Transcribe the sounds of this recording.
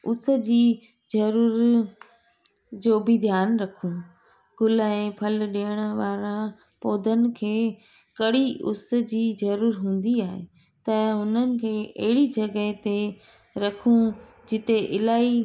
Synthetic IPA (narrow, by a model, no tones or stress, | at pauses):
ʊs̆d͡ʑiː | zɐɾuːɾ | d͡ʑoːbɪd̪ʱjaːnɾɐkʰũ | ɡʊlɛ̃ːpʰɐlɗiəɽ̃əʋaːɾã | poːd̪ʱənɪ̆kʰeː | kɐɽiʊ̰s̆d͡ʑiːzɐɾuːɾɦũːn̆d̪iaːɦe | t̪ɐɦʊnənɪ̆kʰeːʔɐ̰ɦɪɽid͡ʑɐɡəɦt̪e | ɾɐkʰũ | d͡ʑɪt̪eʔɪlaːi